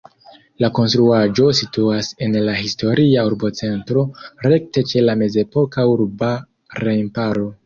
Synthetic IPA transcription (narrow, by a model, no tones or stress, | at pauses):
lako̞nstɾuaʒo̞situase̞nlahisto̞ɾiauɾbo̞t͡se̞ntɾo̞ɾe̞k̚te̞t͡ʃe̞lame̞ze̞po̞kauɾba | ɾejmpaɾo̞